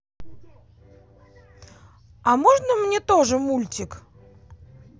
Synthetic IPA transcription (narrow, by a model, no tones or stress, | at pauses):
ɐmoʐnəmnʲet̪oʐɨmulʲtʲɪk